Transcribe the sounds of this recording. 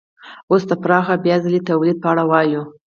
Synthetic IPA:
osd̪əpɾɑxabjɑzalet̪awlid̪̚pəaɽawɑju

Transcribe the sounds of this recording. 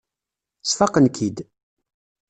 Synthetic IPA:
sfɑqənkʰid̪

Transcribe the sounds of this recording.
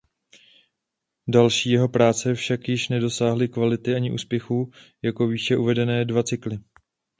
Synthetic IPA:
dalʃiːjɛɦo̞pɾaːt͡sɛfʃakjɪʃnɛdo̞saːɦlɪkvalɪt̪ɪʔaɲɪʔṵːspjɛxuːjako̞viːʃɛʔuvɛdɛnɛːdvat͡sɪklɪ

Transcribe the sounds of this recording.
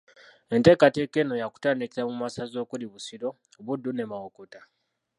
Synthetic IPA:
e̞nte̞ːkate̞ke̞ːno̞jaku̥taːnikiɾamumasazo̞ːkuliβusiɾo̞ | oβudːune̞mawokota

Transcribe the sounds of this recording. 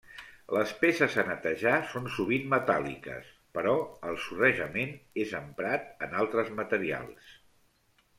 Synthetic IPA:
ləspesəzənət̪əʒasonsuβ̞inmət̪a̰lḭkə̰s | pəɾɔəlˠsurəʒəmenezəmpɾat̪ənalˠt̪ɾəzmət̪əɾia̰lˠs

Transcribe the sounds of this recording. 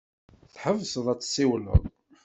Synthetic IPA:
θħəvːsəðˤæt͡sːsːiwlə̰ðˤ

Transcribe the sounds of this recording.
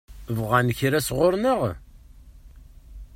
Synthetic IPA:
vʁænçɾæsʁʊɾnəʁ

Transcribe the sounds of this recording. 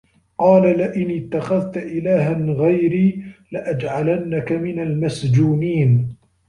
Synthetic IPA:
qɑːlalɪʔɪnɪt̪ːaxaðt̪aʔɪlaːɦanɣajɾiːlɪʔad͡ʒʕalanːakamɪnalmasd͡ʒuːniːn

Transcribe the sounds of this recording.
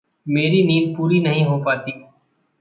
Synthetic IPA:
meːɾiniːmpuːɾinəɦĩɦoːpaːt̪iː

